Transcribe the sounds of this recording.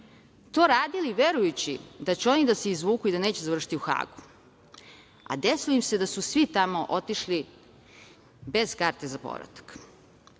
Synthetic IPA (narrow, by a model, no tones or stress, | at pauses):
t̪oːɾaːd̪iliʋeɾujut͡ɕḭd̪at͡ɕuo̞nid̪aseizʋuːkuid̪aneːt͡ɕezaʋr̩ʂi̥t̪iuxa̰ːɡu̥ | a̰d̪esuimse̞d̪asusʋit̪amo̞ʔot̪iʃli | bez̥kaːɾt̪ezapo̰ʋɾa̰t̪ḁk